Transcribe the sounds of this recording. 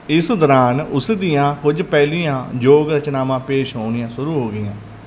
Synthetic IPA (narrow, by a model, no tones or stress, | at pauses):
ɪsd̪ɔːɾaːnʊsd̪ijãːkʊd͡ʒpɛːliːjãːd͡ʒoːɡɾət͡ʃnaːmãːpeːʃɦoːnɪjãːsʊɾuːɦoːɡɪjãː